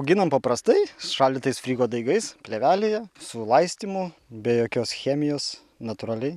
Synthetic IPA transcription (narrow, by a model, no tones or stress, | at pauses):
ʊɡʲɪnɐmpɐpɾɐst̪ɐɪsʃɑlʲd̪ʲɪt̪ɐɪsfʲɾʲiːɡoːd̪ɐɪɡɐɪspʲlʲeʋʲæːlʲejɛsʊlˠɐɪsʲt̪ʲiːmʊbʲɛjoːkʲoːsxʲɛːmʲɪjoːs | nɐt̪ʊɾɐlʲɛɪ